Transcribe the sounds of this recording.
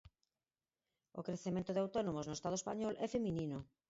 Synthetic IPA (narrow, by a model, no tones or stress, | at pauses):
o̰kɾeθemẽnt̪oðeawt̪ɔnomoznoest̪að̞oespa̰ɲɔlʔɛfemĩnino